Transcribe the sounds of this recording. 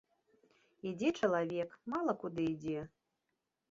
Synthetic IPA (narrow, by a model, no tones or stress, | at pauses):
id͡zʲɛt͡ʂɐlˠavʲɛkmalˠɐkud̪ɨid͡zʲɛ